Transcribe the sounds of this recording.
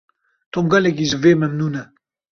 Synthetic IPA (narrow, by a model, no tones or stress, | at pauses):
t̪ʰomɡɐlɛk̬iʒɨveːmɛmnuːnɛ